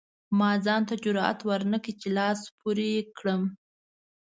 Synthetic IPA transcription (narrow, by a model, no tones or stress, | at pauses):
mɑzɑnt̪ad͡ʒʊɾɑa̰t̪waɾnəkit͡ʃelɑspʰuɾekɽəm